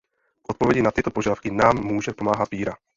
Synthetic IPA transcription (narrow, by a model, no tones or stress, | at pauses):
kʔot̪̚povjɛɟɪnat̪ɪt̪opoʒadafkɪnaːmːuːʒɛpo̞maːɦat̪̚piːɾa